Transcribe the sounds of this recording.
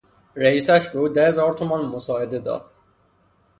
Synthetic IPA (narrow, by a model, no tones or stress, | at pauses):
ɾeiːsæʃbeuːd̪æhezɒːɾt̪ʰomɒnmosɒːed̪ed̪ɒ̰ːd̪̥̚